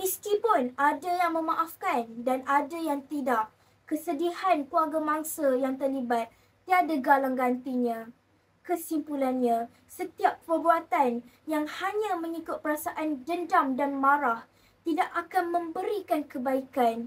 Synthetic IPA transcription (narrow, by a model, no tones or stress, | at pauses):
misk̪ipʊnadajaŋmə̃mãʔafkandanadajaŋt̪idaʔ | kəsədihankuaɡamãŋsajaŋt̪ərlibat̪̚ː | iadaɡalaŋɡant̪iɲã | kəsimpulanɲã | sət̪iap̚pərbuat̪anjaŋhaɲãmə̃ŋikʊt̪̚pəɾasaʔand͡ʒəndamdanmãɾah | t̪idaʔakanmə̃mbəɾikankəbaikan